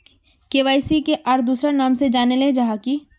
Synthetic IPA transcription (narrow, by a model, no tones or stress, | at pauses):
keːʋaːɪsikeʔɔːɾd̪uːsɾanaːmsed͡ʒaːneled͡ʒaɦaki